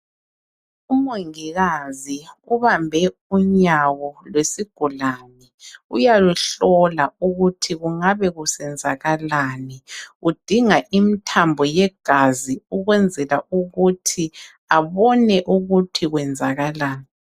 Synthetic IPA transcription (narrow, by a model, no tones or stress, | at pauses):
umoŋiɣaziuβambʱɛuɲawɔlwesiɡ̥ʱulanɛujaluɬɔlauɣutʰiɣuŋaβɛɣusɛnd͡zʱaɣalaːnɛud̥ʱiŋaʔimitʰambʱɔjɛɡ̥ʱaziuɣwɛnd͡zʱɛlaʔuɣutʰi | aβɔnɛʔuɣutʰiɣwɛnd͡zʱaɣalaːni